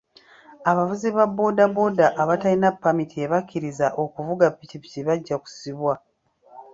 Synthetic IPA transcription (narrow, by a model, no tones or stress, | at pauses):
aβavuziβabːo̞dabo̞daʔːβatainapːamitʰieβakːiɾizaʔo̞kuvuɡapːicipiciβaɟːaku̥siβwa